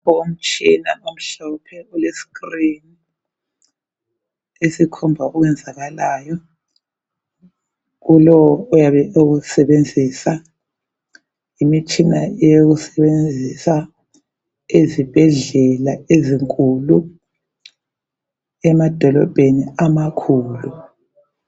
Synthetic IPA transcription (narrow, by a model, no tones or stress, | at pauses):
om̩t͡ʃʰʼinaom̩ɬɔpʰɛulesi̥krini | esikʰɔmbʱaɔɣwɛnd͡zʱaɣalaːjɔ | ɣulɔwɔjaβɛoɣusɛβend͡zʱisa | imit͡ʃʼinaɛjoɣusɛβend͡zʱisa | ezib̥ʱɛɮɛlaeziŋkʼulu | ɛmad̥ʱɔlɔ̰b̥ʱeniamakʰuːlu